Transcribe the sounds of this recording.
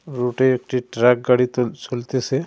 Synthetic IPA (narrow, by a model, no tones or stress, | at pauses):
ɾoːʈeekʈiʈɾak̚ɡaɽit̪sʰʊlt̪ese